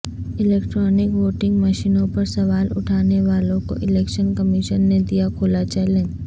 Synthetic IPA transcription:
ɪlɛːkʈɾɔːnɪkʋoːʈɪ̃ŋɡmɐʃiːnõpɐɾsɐʋaːlʊ̰ʈʰaːneʋaːlõko̰ʔɪlɛːkʃənkəmɪʃənːed̪ijakʰoːlat͡ʃɛːlẽn

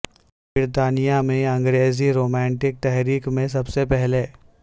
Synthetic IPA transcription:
bɪɾt̪aːnijamẽɐ̃ŋɡɾeːziɾoːmɛ̃ːɳʈɪk̚t̪ɛɦɾiːkmẽs̬ɐbsepɛɦle

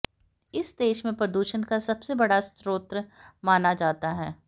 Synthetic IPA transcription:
ɪsd̪eːʃmẽpɾɐd̪uːʃənkasɐbsebɐɽast̪ɾoːt̪ɾəmaːnad͡ʒaːt̪aɦɛː

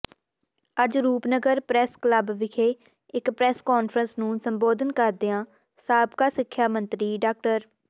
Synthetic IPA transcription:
əd͡ʒɾuːpnəɡəɾpɾɛːskləbʋɪkʰeː | ɪkpɾɛːskoːnpʰɾənsnũːsəmboːd̪ənkəɾd̪ɪãː | saːbkaːsɪkʰːjaːmənt̪ɾiːɖaːk̚ʈəɾ

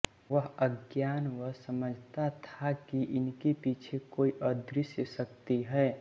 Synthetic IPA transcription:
ʋəɦəɡjaːnʋəɦsəməd͡ʒʱt̪at̪ʰakiʔɪnkepiːt͡ʃʰekoːiʔəd̪ɾɪsjəsək̚t̪iɦɛː

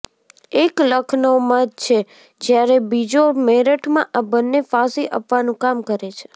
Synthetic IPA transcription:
ekləkʰnomãd͡ʒt͡ʃʰe | d͡ʒjaɾebid͡ʒomeɾəʈʰmãʔabənːefasiʔə̰pʋanũkamkəɾet͡ʃʰe̥

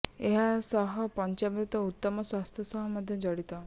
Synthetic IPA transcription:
eɦasɔɦɔpɔnt͡ʃabɾut̪ɔut̪ːɔmɔswast̪ʰjɔsɔɦɔmɔd̪ʱjɔd͡ʒɔɽit̪ɔ

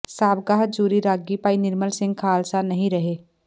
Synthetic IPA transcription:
saːbɡaːɦd͡ʒuːɾiɾaːɡipaːinɪɾməlsɪ̃ŋɡ̚kʰaːlsanɐɦĩɾɐɦeː

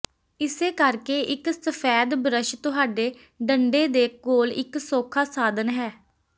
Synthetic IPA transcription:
ɪseːkəɾkeːʔɪksəpʰɛːd̪bɾəʃt̪ʊɦaːɖeː | ɖəɳɖeːd̪eːkoːlɪ̰ksoːkʰaːsaːd̪ənɦɛː

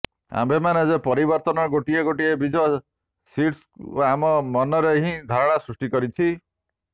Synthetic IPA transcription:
a̰mbemanezepɔɾibɔɾt̪ɔnɔɡoʈieɡoʈiebid͡ʒɔ | siʈs | aamɔmɔnɔɾeɦĩd̪ʱɔɾɔɽ̃asɾusʈikɔɾit͡ʃʰi

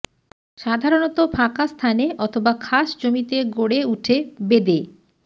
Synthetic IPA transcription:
ʃad̪ʱaɾonɔt̪opʰakast̪ʰaneʔɔt̪ʰobakʰaʃd͡ʑomit̪eɡoɽeuʈʰebed̪e

